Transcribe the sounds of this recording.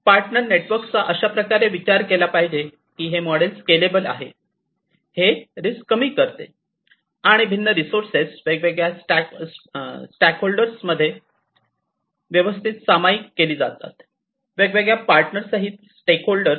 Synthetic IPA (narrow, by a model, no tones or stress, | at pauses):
paɾʈnəɾneʈʋəɾkst͡saʔəɕapɾəkaɾeʋit͡ɕaɾkelapaɦid͡ʑe | kiːɦeməɽelskelebəla̰ɦḛ | heɾiskəmiːkəɾt̪ḛ | aɽ̃ibʱinːəɾisoɾsesʋeɡʋeɡɭjasʈ | sʈækɦolɖəɾsməd̪ʱːje | ʋjəʋəst̪ʰit̪samaikːeliːd͡zat̪a̰t̪ | ʋeɡʋeɡɭjapaɾʈnəɾsaɦit̪sʈekɦolɖəɾ